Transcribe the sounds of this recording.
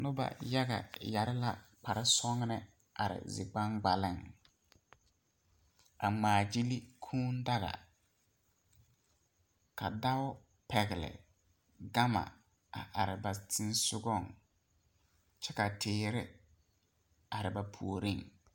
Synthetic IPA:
nʊ˦ba̰˨ja˦ɡa̰˨ja˨ɾɪ˦la˦pa˨ɾɪ˦sɔ˦ŋ˦nɪ˦ | a˨ɾɪ̰˨zɪ̰˨ɡ͡ba˦ŋɡ͡ba˨lɪ˦˨ŋ | a˨maː˨d͡ʒi˦li˦kʰuː˦n˦da˦ɣa̰˨ | ka˨da˦wʊ˦ | pɛ˨ɣɪ˨lɪ̰˨ | ɡa˦ma̰˨ | a˨ʔa˨ɾɪ˨ba˨tɪ˦n˦sʊ˦ɡɔ˦˨ŋ | t͡ʃɛ˦ka˨tʰɪː˨˦˨ɾɪ˦ | a˨ɾɪ˨ba˨pʰu˨o˨ɾi˦˨ŋ

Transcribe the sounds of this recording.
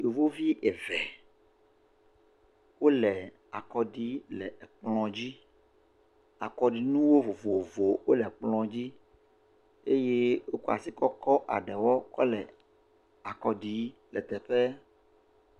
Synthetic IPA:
o˨vo˦vi˦ʔɛ˨vɛ˨ | wo˦lɛ˨ | a˨kɔ˨ɖi˨˦lɛ̰˨k͡plɔ̃˨d͡ʑi˦ | a˨kɔ˨ɖi˨nũ˦wo˦vo˨vo˨vo˨wo˦lɛ˨k͡plɔ̃˨d͡ʑi˦ | e˦je˦wo˦ko˦a̰˨si˦kɔ˦kɔ˦ʔa̰˨ɖɛ˨wɔ˦kɔ̰˦lɛ˨ | a˨kɔ˨ɖi˨˦lɛ̰˨t̪ɛ˨ɸɛ˦

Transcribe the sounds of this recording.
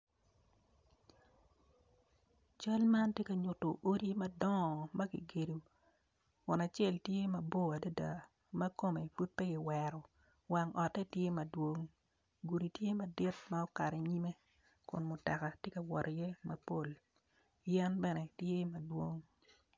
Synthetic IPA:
t͡ʃa˦lma˦ntje˦ka˨ɲʊ˨to˨ʔo˦ɾi˦mɐ˦dɔ˦˨mɐ˦ɡḭ˨ɡe˨du˨ | kʊ˨na˨t͡ʃɛ˦˨ltje˦mɐ˨bo˦˨a˨do˦da̰˨ | mɐ˦ko˦me˨fu˦t̚pe˦ɡɪ˨wɛ˨ɾɔ˨ | wa˨ŋɔ˨tɛ˦tje˦mɐ˨dwo˦ŋ | ɡu˨ɾi˨tje˦mɐ˨dɪ˦t̚ma˦ɔ˦ka˨ɾɛ˨ɲi˦me˦ | kʊ̰˨nmʊ˨ta˨ka˨tje˦ka˨wɔ˨ɾje˦mɐ˨po˦˨l | jɛ˦nbɛ˦nɛ˨tje˦mɐ˨dwo˦ŋ

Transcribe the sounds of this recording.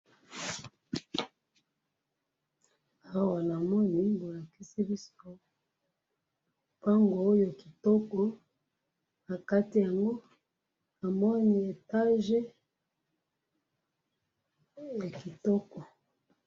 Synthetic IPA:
a˦wa˨na˨mɔ˦ni˨bo˨la˨ki˦si˦bi˦so˦ | pa˦ŋɡoː˨˦jo˨ki̥˨tɔ˦kɔ˨ | na˨ka˦ti˨ja˨ŋɡo˦ | na˨mɔ˦ni˨e˨ta˦ʒe˦ | ja˨ki˨tɔ˦kɔ˨

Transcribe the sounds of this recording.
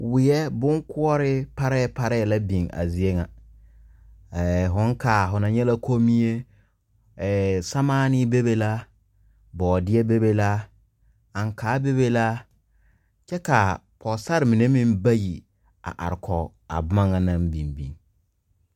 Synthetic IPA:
wɪ˨jɛ˦bʊ˦ŋkʊ˦ɔ˦ɾɪ˦pa˦ɾɛ˦ɛ˨pa˦ɾɛ˦ɛ˨la˦bi˨ŋa̰˨zi˨e˦ŋa˨ | ɦʊ˨˦ŋka˨ɦʊ˨na˨ɲɛ˦la˦kʰo˦mi˦e˦˨ | sa˦maː˦nɪ˦be˦be˦la˦ | bɔː˨dɪ˦ɛ˦be˦be˦la˦ | a˨ŋkaː˨˦be˦βe˦la˦ | t͡ʃɛ˦ka˨ | pʰɔ˨sa˦ɾɪ˨mɪ˨ne˦mɪ̃˦mba˦ji˨ | a̰˨ʔa̰˨ɾɪ˨kʰɔ˨ | a̰˨bma˦ŋa˨nã˦mbi˨nbḭ˨ŋ

